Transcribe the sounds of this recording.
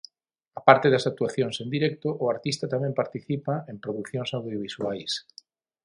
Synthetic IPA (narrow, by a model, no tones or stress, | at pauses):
apaɾt̪eðɐsak̚t̪uaθjoŋsend̪iɾɛk̚t̪ʊʔʊaɾt̪ist̪ɐt̪amɛ̃mpaɾt̪iθipaempɾoðukθjoŋsawðjoβ̞iswajs